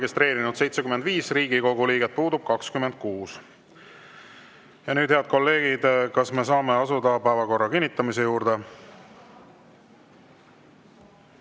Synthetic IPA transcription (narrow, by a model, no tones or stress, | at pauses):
ɡist̪re̞ːɾinud̪se̞jt̪se̞kymend̪viːsriːɡiko̞ɡuliːɡet̪̚puːd̪ub̥̚kɑkskymːend̪̥̚kuːs | jɑnyːd̪̥he̞ɑd̪̥̚ko̞lːe̞ːɡ̥id̪̥kɑsme̞s̬ɑːme̞ɑsud̪̥ɑpæevɑko̞rːɑkinʲːit̪ːˑɑmise̞juːɾd̪̥e